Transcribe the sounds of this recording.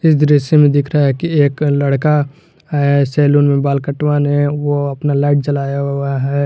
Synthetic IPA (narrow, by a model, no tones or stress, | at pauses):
ɪsd̪ɾɪʃemẽd̪ɪkʰɾaaɦɛkieːklɐɽka | ɦɛsɛːluːnmẽbaːlkəʈwanewoɐpnalaːɪʈ̚t͡ʃɐlaːjaɦɛ